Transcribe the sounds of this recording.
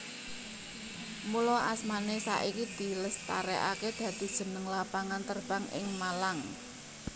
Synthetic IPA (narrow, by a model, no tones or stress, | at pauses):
mulɔʔasmanesa̰ʔikid̪̥i̤ləst̪a̰ɾɛʔa̰ked̪̥ä̤d̪̥i̤d̥ʒ̥ə̤nəŋlapaŋant̪ərb̥a̤ŋʔɪ̰ŋmalaŋ